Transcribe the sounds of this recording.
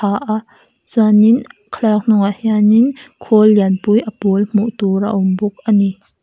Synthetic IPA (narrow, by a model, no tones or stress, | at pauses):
aʔa | t͡suaninkʰlak̚n̥ʊŋahianinkʰolːianpujʔəpulm̥uʔt̪uɾa̰ʔʊmbʊk̚ʔani